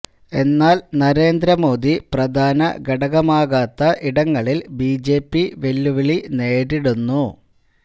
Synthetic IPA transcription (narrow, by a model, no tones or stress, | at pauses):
e̞nːaːlnɐɾe̞ːnd̪ɾɐmo̞ːd̪iprɐd̪ʱaːnɐ̰ɡɐɽɐɣɐmaːɣaːt̪ːɐʔiɽɐŋːɐɭilbiːd͡ʑe̞ːpːiʋe̞lːuʋɐɭine̞ːɾiɽunːu